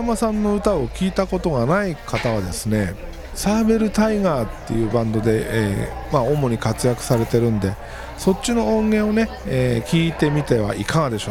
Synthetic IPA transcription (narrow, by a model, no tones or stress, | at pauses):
amasãnːo̞ɯ̟t̪ao̞kʲiːt̪ako̞t̪o̞ɡanaikat̪aβ̞ad̪e̞sɨne̞ | saːbe̞ɾɯ̟t̪aiɡaːt̪ːe̞̰jɯ̟ːbãnd̪o̞d̪e̞emao̞mo̞ɲ̟ikat͡sɨjakɯ̟̥saɾe̞t̪e̞ɾɯ̟̃nd̪e̞ | so̞t͡ɕːino̞õŋɡẽ̞ɰ̃o̞ne̞ | eːkʲiːt̪e̞mʲit̪e̞βa̰ʔikaŋad̪e̞ɕo